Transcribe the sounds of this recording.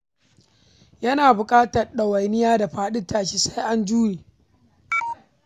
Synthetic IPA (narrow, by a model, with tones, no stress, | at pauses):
jɐ˦naː˨bʊ˨kʼaː˦tɐ˨rɗɐ˨wɐ˨jnɪ˦jaː˦da˨ɸaː˦ɗɪ˦tʰːaː˨ʃi˦sa˦jʔa˦nd͡ʒuː˦niː˨